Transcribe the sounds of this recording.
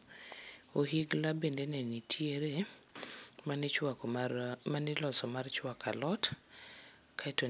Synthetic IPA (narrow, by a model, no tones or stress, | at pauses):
oɦiɡlabendenɛnitʰjeɾe | mat͡ʃwa | manɪlɔsɔmart͡ʃwakʰa̰lɔt | kʰaɛto